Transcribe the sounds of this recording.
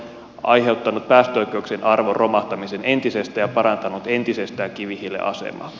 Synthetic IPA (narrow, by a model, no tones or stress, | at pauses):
ɑ̰jɦe̞ut̪ːɑnut̪̚pæːst̪øojk̟ˑe̞uksenʔɑrʋorromɑht̪ɑmisenent̪isest̪æjɑpɑɾɑnt̪ɑnut̪e̞nt̪isest̪æːŋkiʋihilːḛʔɑ̰sḛmɑ̰l